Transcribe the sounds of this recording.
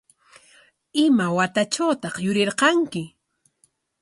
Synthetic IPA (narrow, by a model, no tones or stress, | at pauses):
ɪmawat̪at͡ʃawt̪ɑχjʊɾɪɾqɑŋkɪ